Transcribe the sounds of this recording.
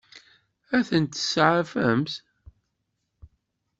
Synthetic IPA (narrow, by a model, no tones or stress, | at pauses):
æθənt̪ə̥sʕafəmθ